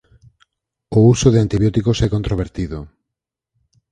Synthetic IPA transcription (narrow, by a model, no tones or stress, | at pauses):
ʊusoðeant̪iβjɔt̪ikosɛkont̪ɾoβeɾt̪iðo